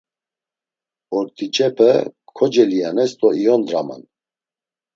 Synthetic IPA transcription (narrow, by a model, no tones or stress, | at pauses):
ɔɾt̪ʰʼit͡ʃʼɛpʰɛkʰɔd͡ʒɛlijanɛst̪ʼɔijɔnd̪ɾama̰n